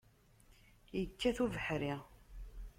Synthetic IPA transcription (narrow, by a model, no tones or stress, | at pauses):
jəkːæθuvəħɾi